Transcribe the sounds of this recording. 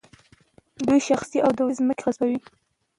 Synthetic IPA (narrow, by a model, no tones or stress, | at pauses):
d̪ujʃaxsiʔawd̪əwezməkeɣazbawi